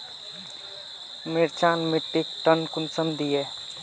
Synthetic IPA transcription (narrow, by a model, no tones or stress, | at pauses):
miɾt͡ʃaːnmiʈːik̚ʈənkʊnsəmd̪ʱie